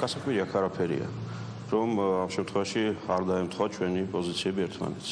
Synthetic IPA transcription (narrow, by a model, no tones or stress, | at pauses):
ɡ̥asakʼviɾiakʰaɾapʰɛɾḭa̰ | ɾɔmamʃɛmt̪ʰχwɛvaʃiaɾd̪aɛmt̪ʰχɔat͡ʃʰwɛnipʼɔzit̪sʰiɛbiɛɾt̪ʰma̰nɛt̪sʰ